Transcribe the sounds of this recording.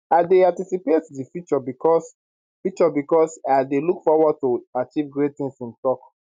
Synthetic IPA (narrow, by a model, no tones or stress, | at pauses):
adeãtisipetdifjut͡ʃɔbikɔs | fik̚t͡ʃɔbikɔsadelukfɔwɔd̚toat͡ʃivɡɹettĩŋsĩntɔk